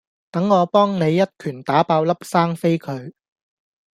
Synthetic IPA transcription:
t̪ɐ˨˥ŋːɔː˨˧pɔː˥ŋne˨˧jːɐ˥t̚kʰyː˨˩nt̪aː˨˥paː˨˧wlɐ˥p̚saː˥ŋfe˥jkʰɵ˨˧ɥ

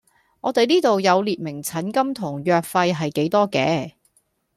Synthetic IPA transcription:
ŋʔɔː˨˧t̪e˨jniː˥t̪o˨wjɐ˨˧wliː˨t̚mɪ˨˩ŋt͡sʰɐ˨˥nkɐ˥mt̪ʰʊ˨˩ŋjœː˨˧k̚fɐ˧jɦɐ˨jke˨˥jt̪ɔː˥kɛ̰ː˨˧

